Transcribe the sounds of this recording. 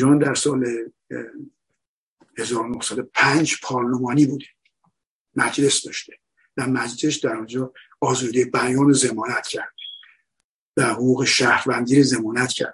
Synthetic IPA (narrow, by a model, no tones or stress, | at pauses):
ɾɒːnd̪æɾsɒːle | he̞zɒːɾonohsæd̪o̞pʰænd͡ʒpʰɒːɾlomɒːniːbuːd̪e | mæd͡ʒle̞sd̪ɒːʃt̪e | væmæd͡ʒle̞sd̪æɾɔnd͡ʒɒː | ɒːzuːd̪ijebæjɒːnoze̞mɒːnæt̪cʰæɾd̪̥e | væhoɣuːɣe̞ʃæhɾvænd̪iːɾeze̞mɒːnæt̪cʰæ̰ɾd̪